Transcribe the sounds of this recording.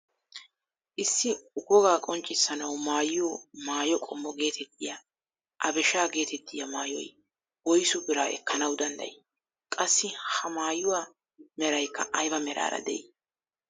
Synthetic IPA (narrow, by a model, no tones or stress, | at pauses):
ʔɪsːɪʊɡɔɡaːkʼɔnt͡ʃʼːɪsːɐnɐwmaːjɪjomaːjɔkʼɔmːɔɡe̞ːt̪ʰɛt̪ʰːɪja | ʔɐbɛʃaːɡe̞ːt̪ɛt̪ːɪjɐmaːjɔ̰j | wɔjsʊbɪɾaːʔɛ̰kːɐnɐwd̪ɐnd̪ɐ̰j | kʼɐsːɪhɐmaːjʊwaː | mɛɾɐjkːɐ̰ʔɐjbɐmɛɾa̰ːɾɐ̰d̪ɛ̰ʔɪ